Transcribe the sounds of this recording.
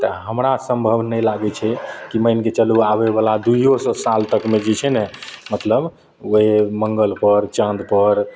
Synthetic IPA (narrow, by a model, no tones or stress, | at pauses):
t̪əɦəmɾasə̃mbʱəbnəjlaɡɛt͡ʃʰɛkiməjnket͡ʃəluaβebalad̪uijosɔsalt̪əkmed͡ʒet͡ʃʰɛnɛmət̪ləb | oɦeməŋɡəlpəɾt͡ʃə̃nd̪pəɾ